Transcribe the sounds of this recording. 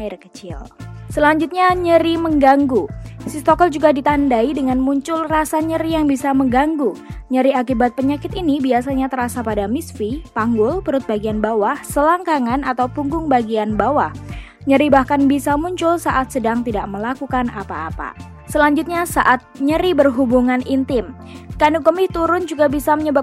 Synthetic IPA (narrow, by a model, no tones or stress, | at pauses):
airkə̥t͡ʃɪ̰lsəlaɲd͡ʒʊt̪̚ɲaɲəɾiməŋɡaŋɡusist̪ɔkɔld͡ʒuɡadit̪andaidəŋanmuɲt͡ʃʊlrasaɲəɾijaŋbisaməŋɡaŋɡuɲəɾiakibat̪̚pəɲakɪt̪inibiasaɲat̪ərɾasapadamisfipaŋɡʊlpəɾʊt̪̚baɡianbawahsəlaŋkaŋanat̪awpuŋɡʊŋbaɡianbawah | ɲəɾibahkanbisamuɲt͡ʃʊlsaʔat̪̚sədaŋt̪idaʔ̚məlakukanapa̰ːpa̰ | səlaɲd͡ʒʊt̪̚ɲasaʔat̪̚ɲəɾibərɦubuŋanint̪ɪm | kanukəmɪht̪uɾʊnd͡ʒuɡabisaməɲəbap̚